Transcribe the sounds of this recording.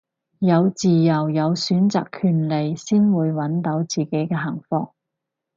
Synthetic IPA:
jɐ˨˧wt͡siː˨jɐ˨˩wjɐ˨˧wsyː˨˥nt͡sa̰ː˨kʰːyː˨˩nle˨jsiː˥nwuː˨˧jwɐ˨˥nt̪o˨˥wt͡siː˨˩ke˨˥jkɛː˧ɦɐ˨˩ŋfɔ̰ː˧˥ŋ

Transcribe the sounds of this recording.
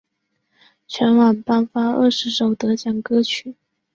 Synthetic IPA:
t͡ɕʰɥɛ˧˥nwɑ˨˩npa˥nfa˥ə̰˥˩ʂɻ̩˧˥ʂo˨˩ʊt̪ɤ˧˥t͡ɕjɑ˨˩ŋkɤ˥t͡ɕʰy˨˩˦

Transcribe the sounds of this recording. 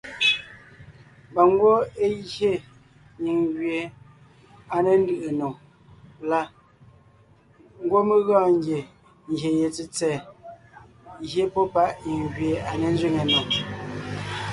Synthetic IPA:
ba˨ŋ˦ɡwo˦e˦je˦˨ | ɲi˨ŋɡɥje˨ | a˨ne˨n˦dɯ˨ʔe˨no˨ŋ | la˦ | ŋ̩˦ɡwo˦me˦ɣɔ̃ː˦˨ŋ˦ɡje˨ | ŋ˨je˨je˨t͡si˦t͡sɛː˨ | je˦pɔ˦pa˦ʔɲi˨ŋɡɥe˨a˨ne˨n˦zɥi˦˨ŋe˨no˨ŋ

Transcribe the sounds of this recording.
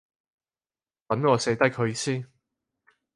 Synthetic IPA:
kɐ˨˥nŋɔː˨˧se˨˧˥t̪ɐ˥jkʰɵ˨˧ɥsiː˥n

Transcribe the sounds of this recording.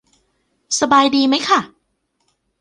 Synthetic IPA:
sa˧baː˧jdiː˧ma˦˥jkʰa˥˩

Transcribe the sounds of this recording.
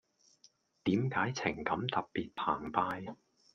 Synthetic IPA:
t̪iː˨˥mkaː˨˥jt͡sʰɪ˨˩ŋkɐ˨˧˥mt̪ɐ˨p̚piː˨t̚pʰaː˨˩ŋpaː˧j

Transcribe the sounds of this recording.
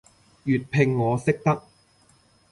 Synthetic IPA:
jyː˨t̚pʰɪ˧ŋːɔː˨˧sɪ˥k̚t̪ɐ˥k̚

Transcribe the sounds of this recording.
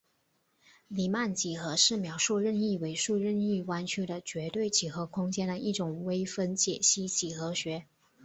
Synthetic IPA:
li˨˩ma˥˩nt͡ɕi˨˩xɤ˧˥ʂɻ̩˥˩mjɑ˧˥ʊʂu˥˧ɻə˥˧ni˥˩we˧˥ɪʂu˥˧ɻə˥˧ni˥˩kwa˥nt͡ɕʰy˥d̪ə˨t͡ɕɥɛ˧˥t̪we˥˩ɪt͡ɕʰi˨˩xɤ˧˥kʰʊ˥ŋt͡ɕjɛ˥nd̪ə˨ʔi˥˩ʈ͡ʂʊ˨˩ŋwe˥ɪfə˥nt͡ɕjɛ˨˩ɕi˥t͡ɕi˨˩xɤ˧˥ɕɥɛ˧˥

